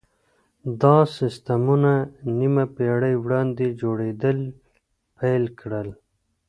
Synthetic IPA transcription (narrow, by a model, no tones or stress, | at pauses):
d̪ɑsɪst̪amunanimapeɽəjwɽɑnd̪ed͡ʒoɽed̪əl | pajlkɽəl